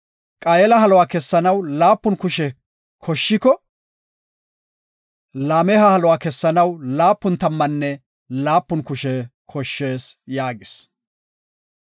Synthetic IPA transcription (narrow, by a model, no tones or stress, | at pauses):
kʼɐjɛlɐhɐlɔwaːkɛsːɐnɐwlaːpːʊnkʊʃɛ | kʰɔʃːɪkɔ | laːmɛhɐhɐlɔwaːkɛsːɐnɐwlaːpːʊnt̪ɐmːɐnːɛ | laːpːʊnkʊʃɛkʰɔʃːeːsjaːɡɪs